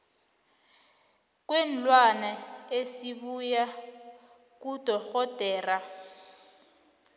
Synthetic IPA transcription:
k̬ʼwɛn̩lwanaesiβuja | k̬ud̥ʱɔxɔd̥ʱɛːra

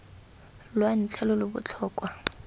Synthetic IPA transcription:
lwan̩t͡ɬʰɛlʊlʊbʊ̰t͡ɬʰɔːkʼwa

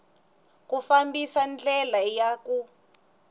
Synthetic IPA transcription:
kufambisand͡ɮɛlajaku

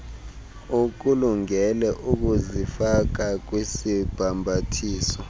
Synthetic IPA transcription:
uk̬uluŋɛlɛʔuk̬uzifak̬ak̬wesib̥ʱambʱatʰiːsɔ

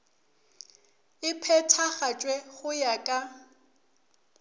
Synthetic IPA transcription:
ɪpʰɛtʰaχat͡ʃʼwɛɣʊjakʼa

